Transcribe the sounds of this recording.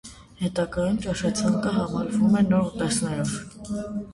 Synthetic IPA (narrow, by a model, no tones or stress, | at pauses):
hɛt̪ɑɡɑjumt͡ʃɑʃɑt͡sʰɑŋkəɦɑmɑɾvumɛnɔɾut̪ɛsnɛɾɔv